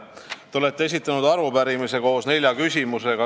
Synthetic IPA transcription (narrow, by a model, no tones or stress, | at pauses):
t̪eolet̪ːˑee̞s̬it̪ːˑɑnud̪ɑɾupæɾimise̞ko̞ːsne̞lʲjɑkysʲimuse̞ɡ̥ɑ